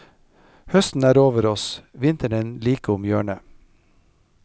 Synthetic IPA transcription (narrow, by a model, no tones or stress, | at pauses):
hœst̪n̩æːɾoːʋəɾɔsʋɪnt̪əɳenliːkəʊmjøːɳə